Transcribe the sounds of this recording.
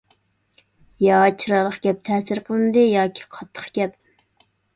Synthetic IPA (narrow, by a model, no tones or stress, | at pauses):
jɑt͡ʃʰɨɾɑlˠəχɡʲɛp̚t̪ʰɛːsɪɾqʰəlˠɨnɨd̪ɨjɑːkʲʰi̥qʰɑ̥t̪ʰːə̥χɡ̥ʲɛp̚